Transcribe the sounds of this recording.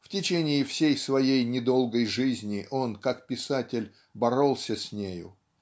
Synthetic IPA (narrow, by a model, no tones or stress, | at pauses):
ftʲɪt͡ɕenʲɪːfsʲejsvɐjejnʲɪd̪o̞lˠɡəjʐɨzʲnʲɪʔo̞nkakpʲɪsatʲɪlʲ | bɐɾo̞lˠsʲəsʲnʲejʊ̰